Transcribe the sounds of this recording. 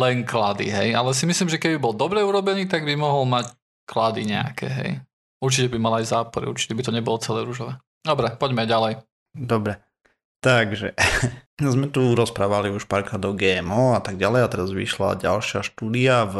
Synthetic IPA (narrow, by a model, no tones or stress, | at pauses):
lɛŋklad̪ḭɦɛjalɛs̬imisliːmʒɛkɛbibɔld̪ɔbɾɛuɾɔbɛniːt̪aɡbimɔɦɔlmac | klad̪iɲɛ̰a̰kʰɛ̰ɦɛ̰j | uɾt͡ʃicɛbimalajzaːpɔɾḭṵɾt͡ʃi̥cɛbit̪ɔɲɛbɔlɔt͡sɛlɛːɾuʒɔʋɛː | d̪ɔbɾɛpɔɟmɛajɟalɛj | d̪ɔbɾɛ | t̪aɡʒɛ | zmɛt̪uɾɔspɾaːʋaliuʃpaɾkad̪ɔʊɡɛːɛmɔat̪aɡ̚ɟalɛjat̪ɛɾazʋḭʃla̰ɟalʃɪaʃt̪uːd̪iav